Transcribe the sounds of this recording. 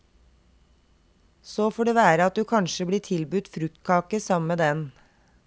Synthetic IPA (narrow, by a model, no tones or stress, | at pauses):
soːfoːɖeːʋæːɾəɑt̪̚d̪ʉːkʰɑnʃəbliːʈʰɪlbʉt̪fɾʉk̚t̪̚kʰɑːkəsɑmmeːd̪ɛn